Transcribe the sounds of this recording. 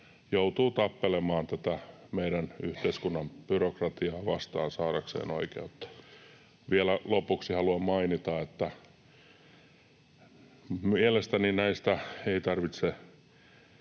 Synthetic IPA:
jout̪uːt̪ɑpːelemɑːnt̪æt̪æmeiɾænyht̪eiskunːɑmb̥yrokrɑt̪iɑːʋɑst̪ɑ̰ːnsɑːɾɑksḛːno̰ikḛːot̪ːɑ̥ | ʋielælopuksihɑluɑmmɑinit̪ɑet̪ːæ | mielest̪æninæist̪æeit̪ɑrʋit̪se

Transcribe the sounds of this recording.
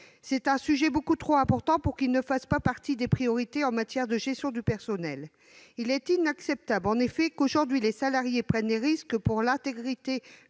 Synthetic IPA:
sɛt̪ɛ̃syʒɛbokut̪χoɛ̃pɔʁt̪ɑ̃puʁkilnəfaspapaʁt̪id̪epχijɔʁit̪eɑ̃mat̪jɛʁd̪əʒɛst̪jɔ̃d̪ypɛʁsɔnɛl | ilɛt̪inaksɛp̚t̪ablɑ̃nefɛkoʒuʁd̪ɥilesalaʁjepχɛnleʁiskəpuʁlɛ̃t̪eɡʁit̪e

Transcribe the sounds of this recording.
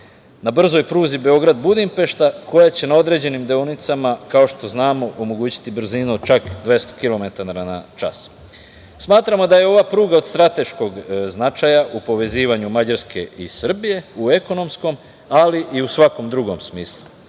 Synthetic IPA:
nabr̩zo̞jpɾuːzibe̞o̞ɡɾad̪bud̪impe̞ʃt̪ako̞jat͡ɕe̞nao̞d̪ɾe̞d͡ʑe̞nimd̪eonit̪samakao̞ʃt̪o̞znaːmo̞ʔomo̞ɡuːt͡ɕi̥t̪ibr̩ziːnuod̪t͡ʃakd̪ʋje̞st̪o̞̥kilo̞me̞t̪aɾana̰t͡ʃa̰s | smaːt̪ɾamo̞d̪aje̞o̞ʋapɾuːɡaod̪st̪ɾat̪e̞ʃko̞ɡznat͡ʃajaʔupo̞ʋe̞ziːʋaɲumad͡ʑaɾske̞̰ḭsr̩bije̞ueko̞no̞msko̞m | aliʔiusʋako̞md̪ɾuɡo̞msmiːslˠu

